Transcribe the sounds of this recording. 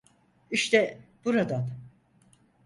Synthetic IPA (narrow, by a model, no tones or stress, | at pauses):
iʃt̪ɛb̥uɾad̪an